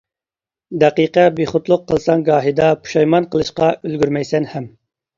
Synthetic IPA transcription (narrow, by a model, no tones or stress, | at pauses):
d̪ɛqiqɛbeχʊt̪lˠʊqʰːəlˠsɑŋɡɑːɦid̪ɑpʰu̥ʃɑjmɑnqʰəlˠɨʃqɑølɡʲyɾmɛjsɛnhɛm